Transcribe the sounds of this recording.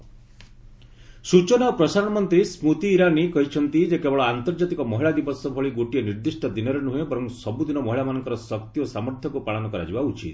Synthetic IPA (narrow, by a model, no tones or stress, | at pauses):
sut͡ʃɔnɔpɾɔsaɾɔɽ̃ɔmɔnt̪ɾismut̪iːɾanikɔɦit͡ʃʰɔnt̪id͡ʒekebɔɭɔant̪ɔɾd͡ʒat̪ikɔmɔɦiɭad̪ibɔsɔbʱɔɭiɡoʈieniɾd̪isʈɔd̪inɔɾenuɦebɔɾɔmsɔbud̪inɔmɔɦiɭamanɔŋkɔɾɔsɔkt̪iosamɔɾt̪ʰjɔkupaɭɔnɔkɔɾa̰d͡ʒibaut͡ʃit̪